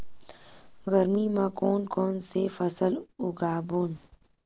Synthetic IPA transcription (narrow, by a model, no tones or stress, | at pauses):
ɣəɾmimãkoːnkoːnsefɐsəluɡaːbun